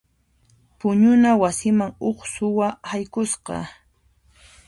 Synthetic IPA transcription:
pʊɲʊnawasɪmaŋoχsʊwahajkʊsqɑ̰

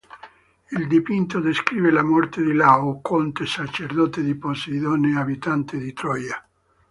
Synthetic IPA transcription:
ild̪ipint̪od̪eskɾiːvelamɔrt̪ed̪ilaokont̪esat͡ʃeɾd̪ot̪ed̪iposiðoneabit̪ant̪ed̪it̪ɾɔja

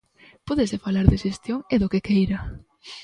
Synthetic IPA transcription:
poðesefalaɾðeʃest̪joŋeðokekejɾa

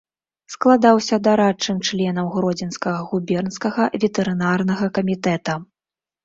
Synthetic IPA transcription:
sklˠad̪awsʲɐd̪aɾat͡ʂːɨmt͡ʂlʲɛnɐwɣɾɔd͡zʲinskɐɣɐɣubʲɛrnskɐɣɐvʲɛt̪ɛɾɨnarnɐɣɐkɐmʲit̪ɛt̪ɐ

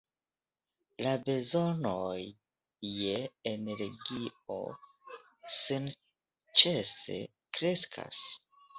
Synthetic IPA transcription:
labe̞zo̞nojː | eene̞ɾɡio̰ | sin | t͡ʃese̞̰ | kɾe̞skʰa̰s

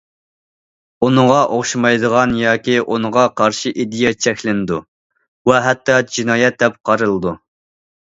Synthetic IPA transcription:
unəʁɑʔoχʃmɑjd̪əʁɑnjɑːkʲiʔunəʁɑqʰɑɾʃiʔid̪ɪjɛt͡ʃʰɛkʲlɪnɨd̪u | wɛɦɛt̪ːɑd͡ʒinɑːjɛt̪̚d̪ɛp̚qʰɑɾɨlˠɨd̪u

